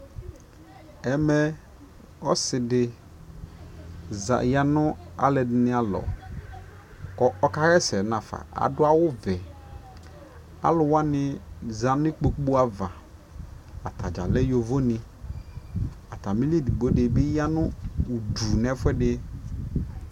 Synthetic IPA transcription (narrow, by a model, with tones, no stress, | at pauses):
ɛ˨mɛ˦ | ɔ˦sɪ˨dɪ˨ | za̰˨ja˦nʊ̃˦a̰˨lɛ˨dɪ˨˦nɪ̃˦a˨lɔ̰˨ | kɔ˨ʔɔ˦ka˦ɾɛ˦sɛ˨nã˨fa̰˨a̰˨dʊ˦a˦wʊ˦vɛ˨ | a̰˦lʊ˨wa˦nɪ̃˦za˨n˦ɪ˦k͡po˨k͡pu˦a˨va˨ | a˨tʰa˨d͡ʒa̰˨lɛ˦jo˨vo˦nɪ̃˨ | a˨ta˨mĩ˦li˦˨di˨ɡ͡bo˦dɪ˨bɪ˦ja˦nʊ̃˦u˨du˨nɛ˦fʊ˦ɛ˦dɪ˦